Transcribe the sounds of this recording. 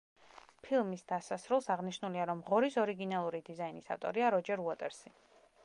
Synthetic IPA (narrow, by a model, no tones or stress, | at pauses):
pʰilˠmisd̪asasɾulˠsaʁniʃnuliaɾɔmʁɔɾisɔɾiɡinalˠuɾid̪izainisa̰t̪ʼɔ̰ɾiaɾɔd͡ʒɛɾuat̪ʼɛɾsi